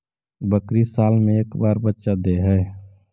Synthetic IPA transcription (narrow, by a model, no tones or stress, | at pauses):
bəkɾisaːlmẽeːkbaːɾbətːʃad̪eɦɛː